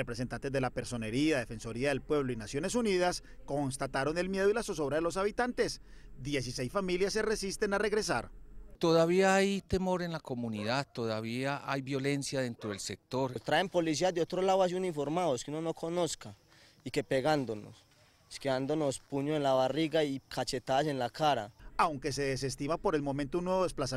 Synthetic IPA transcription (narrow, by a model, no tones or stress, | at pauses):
repɾe̞s̬e̞nt̪ant̪e̞zd̪e̞lape̞ɾso̞ne̞ɾiaðe̞fe̞nso̞ɾiaðe̞lpwe̞βloinasjo̞ne̞suniðas | ko̞nst̪at̪aɾo̞nd̪elmje̞ð̞o̞ilasos̬o̞βɾaðelo̞s̬aβit̪ant̪e̞s | d̪je̞s̬ise̞jsfamiljasere̞sist̪e̞nare̞ɣɾe̞sa̰ɾt̪o̞ðaβiaajt̪e̞mo̞ɾe̞nlako̞muniðaðt̪o̞ðaβiaʔajbjo̞le̞nsjaðe̞nt̪ɾoðelsek̚t̪o̞ɾst̪ɾaempo̞lis̬iazd̪eot̪ɾolaðwas̬iunifo̞ɾmaðoskeunonokʰo̞no̞ska | ike̞pe̞ɣand̪ono̰s | skeand̪ono̞spuɲoenlaβariɣaikʰat͡ʃe̞t̪aðase̞nlakaɾa̰awŋke̞s̬e̞ðes̬e̞st̪imapo̞ɾe̞lmo̞mẽnt̪ounweβoðesplasa